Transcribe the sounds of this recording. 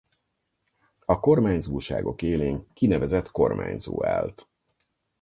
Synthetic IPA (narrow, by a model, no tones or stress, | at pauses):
ɒko̞rmaːɲzuːʃa̰ːɡo̞̰keːleːŋkinɛvɛzɛt̪ko̞rmʔa̰ːɲzo̰ːa̰ːlt̪